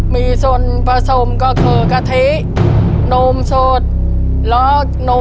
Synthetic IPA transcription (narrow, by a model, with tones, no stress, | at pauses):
miː˧so˧n | pa˧so˧˩mkɔ˧˩kʰɤː˨˧˩ka˧˩t̪ʰe˦˥˦ | no˧msoː˧˩t̪̚ | lɔ˨˦ | no˧